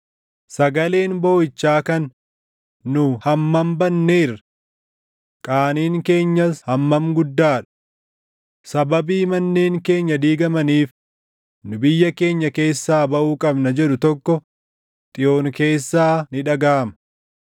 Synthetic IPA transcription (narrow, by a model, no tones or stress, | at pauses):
sɐɡɐle̞ːnbo̞ːjɪt͡ʃːaːkɐnː | ʊhɐmːɐmbɐnːeːɪrɐ̥ | kʼaːniːŋke̞ːɲːɐshɐmːɐmɡʊd̪ːaːᶑɐ̥ | sɐbɐbiːmɐnːeːŋke̞ːɲːɐd̪iːɡɐmɐniːf | nʊbɪjːɐke̞ːɲːɐke̞ːsːaːbɐʔuːkʼɐbnɐd͡ʒɛɗʊt̪ɔkːɔ | t̪ʼɪjo̞ːŋke̞ːsːaːnɪᶑɐɡaːmɐ̥